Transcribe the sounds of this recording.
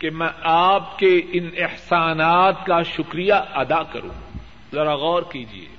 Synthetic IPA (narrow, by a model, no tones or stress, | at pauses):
kemɛ̃aːp̚keɪnɪhsaːnaːt̪kaʃʊkɾijaɐd̪akɐ̰ɾṵ̃ː | zɐɾaɣɔːɾkiːd͡ʒḭḛː